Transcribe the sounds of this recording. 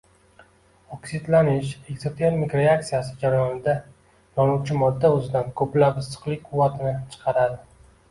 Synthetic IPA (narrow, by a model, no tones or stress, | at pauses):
oksɪd̪lanɪʃe̞ɡzot̪ʰeɾmikɾeak̚t̪sijasɪd͡ʒaɾajɒnɪd̪a | jɒnuwt͡ʃʰɪmɒd̪ːaɵzɪd̪ankʰɵplabɪsɨ̥qlˠɪkʲqʰʊvːat̪ʰɪnɪt͡ʃʰɨ̥qʰɑɾad̪ɪ